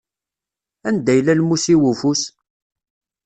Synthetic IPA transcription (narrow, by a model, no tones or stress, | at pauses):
ænd̪æjlælmusiwufus